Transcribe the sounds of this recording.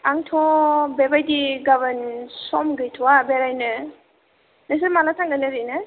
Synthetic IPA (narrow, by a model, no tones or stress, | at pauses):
aŋtʰɔbebajdiɡaβənsɔmɡɯjtʰɔwabeɾajnɯ | nes̬əɾmalatʰaŋɡanaɾɯjnɯ